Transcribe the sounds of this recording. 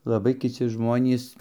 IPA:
lˠɐˈbɐɪ kʲɪˈt͡sʲɪ ˈʒmoːnʲiːs

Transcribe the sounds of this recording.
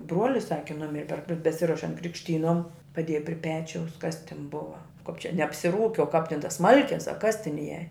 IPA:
ˈbruɔlʲɪs ˈsɑːkʲɪ ˈnʊmʲɪrʲɪ pʲɛr bʲɛ bʲɛˈsʲɪroːʃʲɛnt krʲɪkʃʲˈtʲiːnoːm pɐˈdʲeːjɛ pʲrʲɪ ˈpʲæːt͡ʃʲɛʊs ˈkɐs tʲɪn ˈbʊʋɐ kɐp t͡ʃʲɛ nʲɛ ɐpʲsʲɪˈruːkʲɪ oː kɐp tʲɪn toːs ˈsmɐlʲkʲeːs ɐ kɐs tʲɪn ˈiɛjɛ

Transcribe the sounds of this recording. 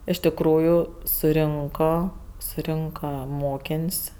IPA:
ɪʃ tʲɪˈkruːjʊ sʊˈrʲɪŋkoː sʊˈrʲɪŋkɐ ˈmoːkʲeːnʲsʲ

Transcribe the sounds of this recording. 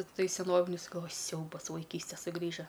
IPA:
ˈtɐɪ sʲɛˈnoːʋʲɪnʲʊs ɡɐlˠˈʋoːjʊ ˈsʲɛʊbɐs ʋɐɪˈkʲiːsʲtʲeː sʊˈɡrʲiːʒɐ

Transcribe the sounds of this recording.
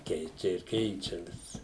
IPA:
ˈkʲɛɪt͡ʃʲɛ ɪr ˈkʲɛɪt͡ʃʲɛ ʋʲɪs

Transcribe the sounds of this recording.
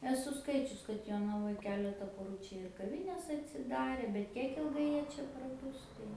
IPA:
ɛˈsʊ ˈskɐɪt͡ʃʲʊs kɐt joːnɐˈʋoːj ˈkʲæːlʲɛtɐ poːˈruː ˈt͡ʃʲɛ ɪr kɐˈʋʲɪnʲɛs ɐtʲsʲɪˈdɑːrʲeː bʲɛt ˈkʲiɛk ɪlˠˈɡɐɪ ˈjiɛ ˈt͡ʃʲɛ prɐˈbʊs tɐɪ

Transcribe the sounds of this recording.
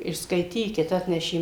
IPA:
ɪr skɐɪˈtʲiːkʲɪt ˈɑːtʲnʲɛʃʲeː

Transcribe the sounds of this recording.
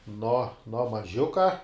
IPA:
noː noː mɐˈʒʲʊkɐ

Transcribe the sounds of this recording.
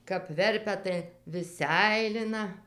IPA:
kɐp ˈʋʲɛrʲpʲɛ tɐɪ ʋʲɪs ˈsʲɛɪlʲɪnɐ

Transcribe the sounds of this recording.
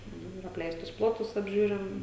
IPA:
ˈnʊ ɪr ɐpʲˈlʲɛɪstʊs ˈplˠoːtʊs ɐbʲˈʒʲuːrʲɪm

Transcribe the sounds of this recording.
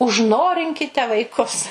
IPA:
ʊʒˈnoːrʲɪŋʲkʲɪtʲɛ ʋɐɪˈkʊs

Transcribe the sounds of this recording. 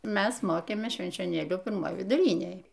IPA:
ˈmʲæs ˈmoːkʲeːmʲeːs ʃʲʋʲɛnʲt͡ʃʲoːˈnʲeːlʲuː pʲɪrˈmoːj ʋʲɪdʊˈrʲɪnʲeːj

